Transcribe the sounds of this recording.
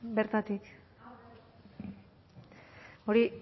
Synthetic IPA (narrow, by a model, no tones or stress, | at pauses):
be̞ɾt̪at̪ik | o̞ɾi